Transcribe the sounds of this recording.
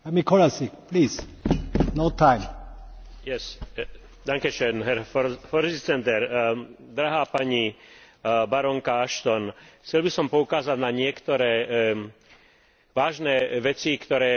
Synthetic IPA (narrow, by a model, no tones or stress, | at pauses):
ɛmikʰɔlasipliːs | noʊt̪ʰãɪm | jɛs | d̪aŋkɛʃɛːnɦɛɾfɔɾfɔɾsit͡sɛnt̪ɛɾ | d̪ɾaɦaːpaɲi | baɾɔŋkaaʃt̪ɔnxt͡sɛlbisɔmpɔukaːzad̪naɲɪɛkt̪ɔɾɛː | ʋaːʒnɛːʋɛt͡sikt̪ɔɾɛː